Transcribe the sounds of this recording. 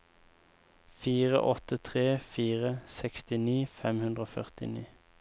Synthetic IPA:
fiːʁə̰ʔɔt̪ət̪ʰʁeːfiːʁəsɛkst̪ɪniːfɛmhʉnd̪ʁəoːfœ̰ʁt̪ɪ̰nḭː

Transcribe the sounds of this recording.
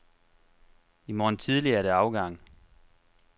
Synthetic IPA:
imɒːn̩t͡sʰið̞ˠliɐæɐɾ̥æɑ̈ʊɡ̥ɑ̈ŋ̰

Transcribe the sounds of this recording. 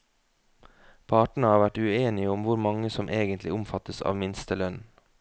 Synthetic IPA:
pʰɑːʈɳ̩əhɑːʋæʈʉeːnɪəʊmʋʊɾmɑŋəsɔmʔeːɡənt̪lɪʊmfɑt̪əsɑ̰ːʋmɪnst̪əlœn

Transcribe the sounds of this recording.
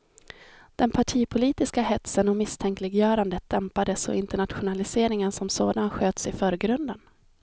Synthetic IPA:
d̪̥ɛnpʰaʈʰiːpʰʊliːt̪ɪskaɦɛt̪sənɔmɪst̪ʰɛŋklɪɡjœːɾand̪ət̪̚d̪̥ɛmpad̪əsɔ̰ɪnt̪əɳat̪ɧʊnalɪseːɾɪŋənsɔmsoːd̪anɧøːt̪sɪfœːɾɡɾɵnd̪ən

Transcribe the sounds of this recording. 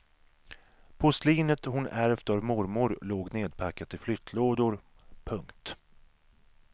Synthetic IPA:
pʰʊsliːnət̪hʊnæɾvt̪avmɔɾmʊɾloːɡneːd̪̚pʰakːat̪ʰɪflʏt̪ʰloːd̪ʊɾ | pʰɵŋkt̪

